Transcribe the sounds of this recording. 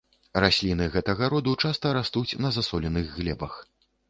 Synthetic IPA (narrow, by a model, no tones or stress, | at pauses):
rasʲlʲinɨɣɛt̪ɐɣɐɾɔd̪ut͡ʂast̪ɐɾast̪ut͡sʲnɐzasɔlʲɛnɨɣɣlʲɛbɐx